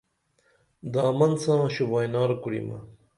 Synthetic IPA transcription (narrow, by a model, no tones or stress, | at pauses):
d̪aːmɐnsãːɕubajnaːɾkuɽḭmɐ̰